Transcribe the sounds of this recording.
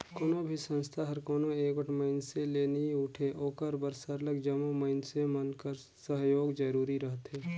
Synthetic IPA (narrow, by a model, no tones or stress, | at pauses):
koːnobʱisə̃nst̪ʰaɦɐɾkoːnoeːkwəʈʰməɪnseleːniʊʈʰeʔoːkəɾbəɾsəɾləɡd͡ʒɐmoməɪnsemənkəɾ | səɦjoːɡd͡ʒəɾuːɾiɾəɦət̪ɦɛː